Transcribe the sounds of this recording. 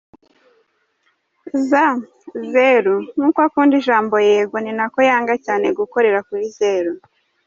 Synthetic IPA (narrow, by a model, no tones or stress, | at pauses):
za | zeɾuŋuːkakuːndiʒaːmbo̞jeːɡoninako̞jaːŋɡacaːne̞ɡuko̞ɾe̞ɾakuɾizeɾu